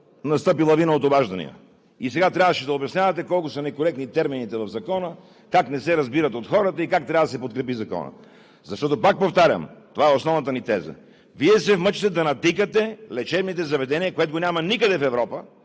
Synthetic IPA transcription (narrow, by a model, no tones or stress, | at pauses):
nɐst̪ɤpilˠɐvinəot̪obaʒd̪ɐnḭɐ̰ | isɛɡat̪ɾʲavəʃɛd̪ɐobjɐsnʲavɐt̪ɛkɔlˠkʊsənɛkoɾɛk̚t̪nit̪ɛɾminit̪ɛvɐvzɐkɔnə | kaknɛsɛɾɐzbiɾɐt̪ot̪xɔɾət̪əikak̚t̪ɾʲavɐəd̪ɐsɛpot̪kɾɛpizɐkɔ̰nə̰ | zɐʃt̪ɔt̪opak̚poft̪aɾʲə̰mt̪ovaɛosnɔvnət̪ənit̪ɛzə̰ | viɛsɛfmət͡ʃit̪ɛd̪ɐnɐt̪ikət̪ɛlɛt͡ʃɛbnit̪ɛzɐvɛd̪ɛniəkoɛt̪oɡonʲamɐnikəd̪ɛfɛvɾɔpə